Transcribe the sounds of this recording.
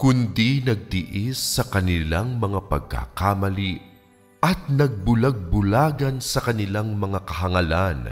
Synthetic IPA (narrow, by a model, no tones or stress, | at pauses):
kʊnd̪inɐɡ̚t̪ɪʔisːɐkɐnɪlaŋmɐŋapɐ̰ɡ̚kːa̰ːkaːmɐli | ɐt̪̚nɐɡ̚bʊlɐɡ̚bʊlaːɡɐnsɐkɐnɪlaŋmɐŋakɐɦɐŋɐlan